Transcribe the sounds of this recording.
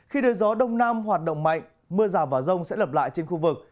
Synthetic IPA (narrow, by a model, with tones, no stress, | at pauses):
xi˧ɗəː˨˦jzɔ˨˦ɗə˧wŋ͡mnaː˧mɦwaː˨˩t̚ɗə̰˧˨ŋ͡mma̰˧˨jŋ̟ | mɨ˧əzaː˨˩vaː˨˩zə˧wŋ͡msɛ̰˧˥lə˨˩p̬̚la̰ː˧˨jt͡ɕe˧nxu˧vɨ˨˩k̚